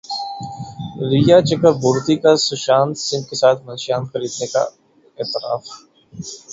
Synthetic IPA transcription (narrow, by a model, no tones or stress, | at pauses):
ɾijat͡ʃɐkəɾbʊːɾt̪ikasʊʃaːnsɪ̃nd̪̚kesaːt̪ʰmɐ̃nʃaːnxɐɾiːd̪neka̰ | ɪːt̪ɪɾa̰ːf